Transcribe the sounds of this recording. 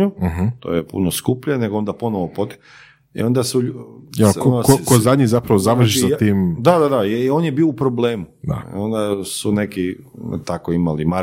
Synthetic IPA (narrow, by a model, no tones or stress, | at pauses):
uɦt̪o̰jepṵnoskupʎane̞ɡoo̞nd̪aponoʋopot̪e̥ | ḭo̞nd̪asu | kokozad̪ɲizapɾaʋozaʋɾ̩ʃiʃssat̪iːmd̪ad̪ad̪aio̞ːnjebiːoupɾobleːmud̪a̰o̞nd̪asune̞ki | t̪akoimalima